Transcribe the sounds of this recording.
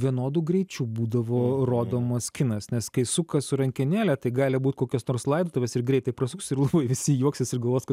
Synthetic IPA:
ʋʲiɛnoːd̪uːɡɾʲɛɪt͡ʃʲuːbuːd̪ɐʋoːroːd̪oːmɐskʲɪnɐsnʲɛskɐɪsʊkɐsʊɾɐŋʲkʲɪnʲæːlʲɛt̪ɐɪɡɑːlʲɪbuːt̪koːkʲɛsnoːrslˠɐɪd̪oːt̪oːʋʲɛsɪrɡɾʲɛɪt̪ɐɪpɾɐsʲʊksɪɾlˠɐbɐɪʋʲɪsʲɪjuɔksʲɛsɪrɡɐlˠʋoːjskɐt̪

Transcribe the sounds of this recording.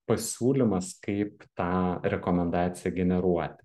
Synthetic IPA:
pɐsʲuːlʲɪmɐskɐɪpt̪ɑːɾʲɛkoːmʲɛnd̪ɑːt̪sʲɪjɛɡʲɛnʲɛɾuɔt̪ʲɪ̥

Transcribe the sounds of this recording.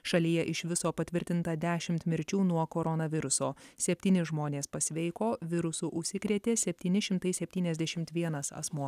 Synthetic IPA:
ʃɐlʲiːjɛʔɪʃʋʲɪsoːpɐt̪ʲʋʲɪɾʲt̪ʲɪnt̪ɐd̪ʲæːʃʲɪmt̪mʲɪɾʲt͡ʃʲuːnuɔkoːɾɔnɐʋʲɪɾʊsoːsʲɛpʲt̪ʲiːnʲɪʒmoːnʲeːspɐsʲʋʲɛɪkoːʋʲɪɾʊsʊʔʊʃʲsʲɪkɾʲiɛt̪ʲeːsʲɛpʲt̪ʲiːnʲɪʃʲɪmt̪ɐɪsʲɛpʲt̪ʲiːnʲɛzʲd̪ʲɛʃʲɪmt̪ʋʲiɛnɐsɐ̰smuɔ

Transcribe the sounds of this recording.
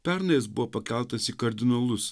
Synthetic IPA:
pʲæɾnɐjɛsbʊʋopɐkʲæˑlˠt̪ɐsikɐɾʲd̪ʲɪnɐlˠʊs

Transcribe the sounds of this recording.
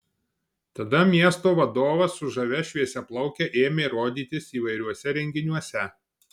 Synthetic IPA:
t̪ɐd̪ɐmʲiɛst̪oːʋɐd̪oːʋɐsʊʒɐʋʲɛʃʲʋʲiɛsʲɛplˠɒʊkʲɛʔeːmʲeiɾoːd̪ʲiːt̪ʲɪsiːʋɐɪɾʲuɔsʲɛɾʲɛŋʲɡʲɪnʲuɔsʲɛ

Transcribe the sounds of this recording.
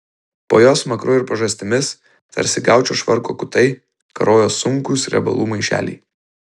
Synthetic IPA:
po̰ːjoːsmɐkɾʊːɪɾpɐʒɐsʲt̪ʲɪmʲɪs | t̪ɐ̰ɾʲsʲɪɡɑˑʊt͡ʃʲoːʃʋɐɾkoːkʊt̪ɐɪ | kɐ̰ɾoːjoːsʊŋkʊsɾʲɛ̰bɐ̰lˠuːmɐɪʃʲæ̰ːlʲḭː

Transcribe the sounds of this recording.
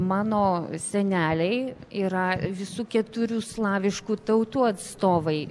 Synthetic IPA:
mɑːnoːsʲɛnʲæːlʲɛɪiːɾɐʋʲɪsuːkʲɛt̪ʊɾʲuːslˠɑːʋʲɪʃkuːt̪ɐʊt̪uːɐt̪st̪oːʋɐɪ

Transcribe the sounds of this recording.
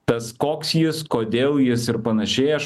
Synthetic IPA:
t̪ɐskoːksjɪskoːd̪ʲeːlˠjɪsɪɾpɐnɐʃʲɛɪɐʃ

